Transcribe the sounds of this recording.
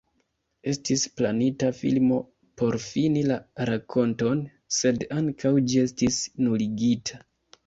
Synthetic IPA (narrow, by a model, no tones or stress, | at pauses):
e̞stisplanitafḭlmo̞ | po̞ɾfinilaɾakʰo̞nto̞n | se̞daŋkʰawd͡ʒie̞stisnuliɡitʰa